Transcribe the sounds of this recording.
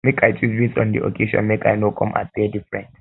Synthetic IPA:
mekʰajt͡ʃʰuzbisɔ̰̃ndiʔo̰kʰeʃɔ̰̃nmekʰa̰jnokʰɔ̃mʔa̰pɛdifɹɛ̰̃nt

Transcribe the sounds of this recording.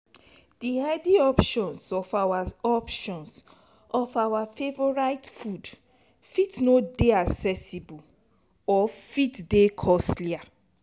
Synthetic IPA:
d̥ihɛdiɔpʃɔ̃nsɔfawaɔpʃɔ̃ns | ɔfawafevɔɹaɪtfud | fitnodeaksɛsibu | ɔfitdekʰɔslia

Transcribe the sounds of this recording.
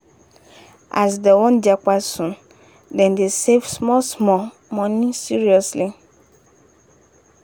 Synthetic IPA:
a̰s̬dɛwɔ̃nd͡ʒak͡pasũn | dɛ̃ndesevsmɔlsmɔ | mɔ̃nĩsiɾiɔsli

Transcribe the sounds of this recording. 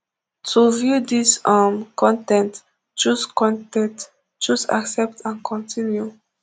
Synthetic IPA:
tʰuvjudisamkʰɔ̃ntɛ̃nt | t͡ʃuskɔ̃ntɛ̃t | t͡ʃusa̰ksɛp̚tʰãnkʰɔ̃ntʰĩnju

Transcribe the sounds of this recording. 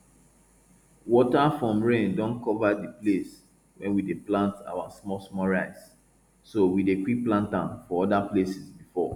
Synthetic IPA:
wɔtafɹɔ̃mɹẽndɔ̃nkɔvadiples | wɛ̃nwideplãnta̰wasmɔsmɔɹaɪs | sowidekwipːlãntãnfɔɔdaplesisbifɔ

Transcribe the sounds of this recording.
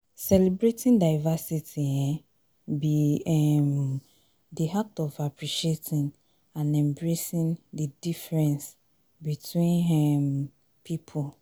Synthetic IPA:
sɛlɛbɹetʰĩndaɪvasitʰiɛ̃ | biɛm | diɦak̚tɔvapʰɹiʃietʰĩn | ãnɛ̃mbɹesĩndidifɹɛ̃ns | bitʰwĩnɛm | pʰipʰul

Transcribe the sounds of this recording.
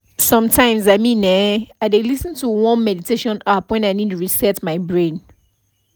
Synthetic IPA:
sɔ̃mtʰãɪ̃mzaɪmĩnɛaɪdelisə̃ntʰuwɔ̃nmɛditʰeʃɔ̃napwɛ̃naɪnid̚tuɹisɛtmaɪbɹẽn

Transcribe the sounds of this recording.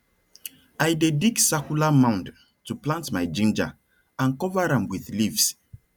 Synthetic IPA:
ajdediksɛkulamãʊ̃nd | tuplãntmajd͡ʒĩnd͡ʒa̰ | ãnkɔvaɾãmwiθlivs

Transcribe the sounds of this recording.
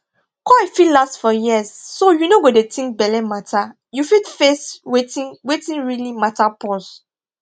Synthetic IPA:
kɔifillastfɔjiəsːojunoɡodetĩŋk̚bɛlɛmatʰa | jufitfeswetĩwetĩnɹilimatapɔs

